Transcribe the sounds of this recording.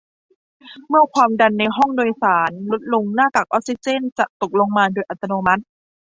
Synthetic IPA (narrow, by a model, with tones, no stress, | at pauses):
mɯ˥˩ɐkʰwaː˧mda˧nːa˧jɦɔ˥˩ŋdoː˧jsaː˩˦nlo˦˥t̪̚lo˧ŋnaː˥˩k̪a˨˩k̚ʔɔː˦˥k̚si˧˥t͡ɕe˥˩nt͡ɕa˨˩ʔt̪o˨˩k̚lo˧ŋmaː˧doː˧jʔa˨˩t̪ːa˧noː˧ma˦˥t̪̚